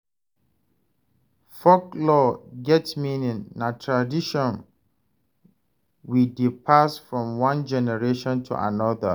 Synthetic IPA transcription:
fɔklɔɡɛtmĩnĩnnatʰɹadiʃɔ̃n | widipʰasfɹɔ̃mwãnd͡ʒɛnɛɹeʃɔ̃ntʰṵʔa̰nɔðə̰

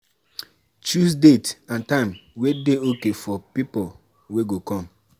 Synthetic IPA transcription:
t͡ʃus̬detãntãɪ̃mwedeokefɔpipol | weɡokɔ̃m

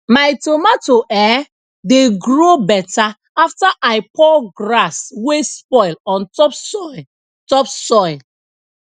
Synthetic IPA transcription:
maɪtomatoʔɛ | deɡɹobɛta | aftaʔaɪpʰɔɡɹaswespɔɪlɔ̃ntɔpsɔ | tɔpsɔɪl

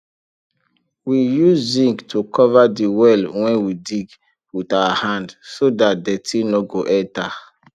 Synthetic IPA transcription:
wijuzzĩŋɡtʰukʰɔvadiwɛlwɛ̃nwidiɡ | witawahãndsodat̚dɛtʰinoɡoʔɛ̃nta

